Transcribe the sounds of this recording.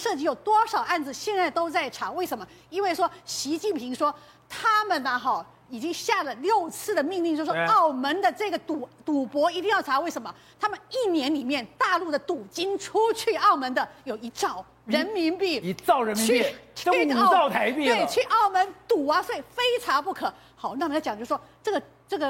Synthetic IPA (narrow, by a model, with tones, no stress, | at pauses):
ʂɤ˥˩t͡ɕi˧˥jo˨˩ʊt̪wɔ˥ʂɑ˨˩ʊa˥˩nd͡zɹ̩˩ɕjɛ˥˧nt͡sa˥˧ɪt̪o˥ʊt͡sa˥˩ɪʈ͡ʂʰa˨˩˦we˥˩ɪʂə˧˥nmə˧ | i˥nwe˥˩ɪʂwɔ˥ɕi˧˥t͡ɕi˥˩npʰi˧˥ŋʂwɔ˥ | t̪ʰa˥mə˨nə˩xɑ˥˩ | i˨˩t͡ɕi˥ŋɕja˥˩lə˩ljo˥˧ʊt͡sʰɹ̩˥˩d̪ə˩mi˥˧ŋli˥˧ŋʂʂwɔ˥ɑ˥˩ʊmə˧˥nd̪ə˨ʈ͡ʂɤ˥˩ɡə˩t̪u˨˩˦t̪u˨˩pwɔ˧˥i˧˥t̪i˥˧ŋjɑ˥˩ʊʈ͡ʂʰa˧˥we˥˩ɪʂə˧˥nmə˧ | t̪ʰa˥mə˨ni˥˩njɛ˧˥nli˨˩mjɛ˥˧nt̪a˥˧lu˥˩d̪ə˩t̪u˨˩t͡ɕi˥nʈ͡ʂʰu˥t͡ɕʰy˥˩ɑ˥˩ʊmə˧˥nd̪ə˨jo˨˩ʊi˧˥t͡sɑ˥˩ʊ | ɻə˧˥nmi˧˥npi˥˩˧t͡sʊɻə˧˥nmt͡ɕi˧˥i˥˩˥ | ɑ˥˩ʊt̪ʰa˧˥ɪpi˥˩ɪt͡ɕʰy˥˧ʔɑ˥˩ʊmə˧˥nt̪u˨˩ɐ˦swe˥˩i˨˩fe˥ɪʈ͡ʂʰɑ˧˥ŋpu˥˩kʰɤ˨˧˥ | xɑ˨˩˦n˥˩m˧˥˩t͡ɕŋt͡ɕo˥˩ʂwɔ˥ʈ͡ʂɤ˥˩ɡə˩ | ʈ͡ʂɤ˥˩ɡə˩